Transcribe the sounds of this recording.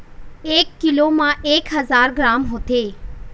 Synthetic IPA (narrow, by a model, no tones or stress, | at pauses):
eːkːɪloːmãːʔeːkɦəzaːɾɡɾaːmɦoːt̪eː